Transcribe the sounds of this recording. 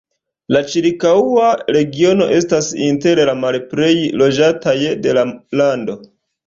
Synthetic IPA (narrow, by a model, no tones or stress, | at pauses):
lat͡ʃiɾkauaɾe̞ɡio̞no̞̰ʔe̞stasḭnte̞ɾlamalpɾe̞jlo̞d͡ʒatajde̞lalando̞